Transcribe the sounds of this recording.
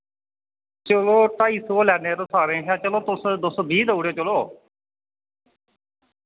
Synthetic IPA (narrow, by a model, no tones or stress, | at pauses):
t͡ʃəloːʈaːiːsoːlɛːneːɾoːsaːɾẽːɦɛ̃ːt͡ʃəloːt̪ʊsd̪ʊsbʱiːd̪əuːɽeːt͡ʃəloː